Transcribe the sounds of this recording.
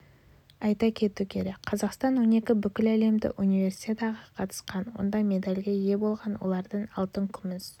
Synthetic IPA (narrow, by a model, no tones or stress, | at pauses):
ɑjt̪ɑkʲʰe̞t̪ukʲʰe̞ɾe̞k̚qʰɑzɑqst̪ɑnwo̞ne̞kʲɪbʏkʲɪlæle̞md̪ɪ̰ʔunijve̞ɾsi̥t̪ʲet̪ɑʁɑqʰɑt̪ə̥sqɑnwo̞̰nd̪ɑme̞d̪alʲɡʲeje̞bo̞lˠʁɑnwo̞̰lˠɑɾd̪əɴɑlˠt̪əŋkʲʰʏmɪs